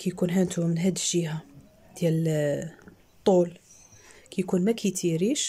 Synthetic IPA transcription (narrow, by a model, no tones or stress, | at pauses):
kæjkunɦænt̪umənɦæd̪əʒiha | d̪̥jæl | t̪ˤːul | kæjkunmækʰæjt̪iɾiʃ